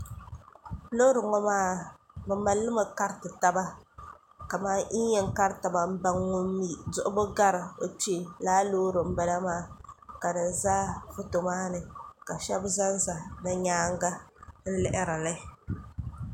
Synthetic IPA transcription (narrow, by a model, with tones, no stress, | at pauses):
lo˦ɾɨ˨ŋɔ˦maː˦˨ | bɨ˨ma˨lːɨ˦ma˨ka˦ɾtɨ˨ta˦ba˦ | ka˨maː˦ʔi˦ɛ˦ŋ˦ka˦ɾɨ˦ta˨ba˨m̩˦ba˦ŋːʊ˦m˦mi˦zʊ˦ʔʊ˦bɨ˦ɡa˦ɾɨ˨o˨ti˦e˨laː˦loː˦ɾɨ˨m̩˦bɛ˨la˦maː˦˨ka˨dɨ˨n˨zaː˦fʊ˦to˨maː˦nɨ˨ka˨ʃɛ˦bza˦n˦za˨nɨ˦ɲaː˦ŋɡa˦n̩˦lɛ˦ʔɪ˦ɾa˨la˦˨